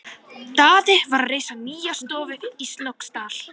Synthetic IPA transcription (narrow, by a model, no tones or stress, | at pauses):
t̪aːðɪvaɾareːjsaniːjast̪ɔːvʏist̪lowkst̪aːl̥